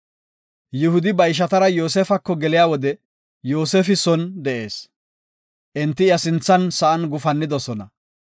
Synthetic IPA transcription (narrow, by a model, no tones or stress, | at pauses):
jɪhʊd̪ɪbɐjɪʃ̬ɐt̪ɐɾɐjo̞ːseːfɐkːɔɡɛlɪjaːwɔd̪ɛ | joːseːfɪsɔnd̪ɛʔe̞̰ːs | ʔɪnt̪ːɪjɐsɪnt͡sːɐnsɐʔɐnɡʊfɐnːɪd̪ɔsɔnɐ̰